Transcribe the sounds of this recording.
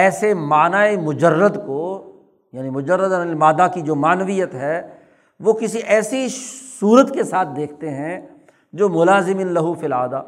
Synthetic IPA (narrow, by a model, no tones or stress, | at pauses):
ɛːsemaːnaːemʊd͡ʒəɾːəd̪ko | jaːnimʊd͡ʒəɾːəd̪ɐmaːd̪akid͡ʒoːmaːnʋijət̪ɦɛː | ʋokɪsiʔɛːsisuːɾət̪kesaːt̪̚ʰd̪eːk̚ʰt̪eɦɛ̃ | d͡ʒoːmʊlaːzɪmɪnlɐɦufilaːd̪aː